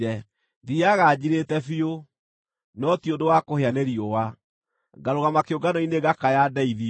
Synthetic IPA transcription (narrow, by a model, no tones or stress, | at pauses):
ɛ | ðiaɣad͡ʑiɾetɛfio | nɔtiondowakoheaneɾiowa | ɡaɾoɣamakeoɡanɔineɡakajadɛiði